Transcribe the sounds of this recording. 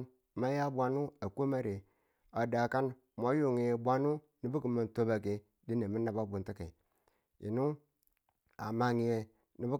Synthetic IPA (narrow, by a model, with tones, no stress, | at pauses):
ma˦ja˦bʷa˨nu˦a˨ko˦ma˦ɾe˨ | a˨da˨ka˦n | ma˦ju˨ŋi˨je˨bʷa˦nu˦ | ni˨bu˦ki˨ma˨nto˦ba˨ke˨ | di˦ne˨mi˦na˨ba˦bu˨nti˦kḛ˨ | ḭ˨nu˦ | a˨ma˨ŋi˨je˨ | ni˨bu˦